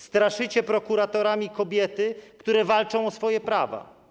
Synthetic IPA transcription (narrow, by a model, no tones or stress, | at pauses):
st̪ɾaʂɘt͡ɕɛpɾɔkuɾat̪ɔɾamʲikɔbʲjɛt̪ɘkt̪uɾɛvalt͡ʂɔ̃w̃ɔsfɔjɛpɾava̰